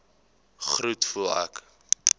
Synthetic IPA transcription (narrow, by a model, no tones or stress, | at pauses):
χrutfulˠa̰k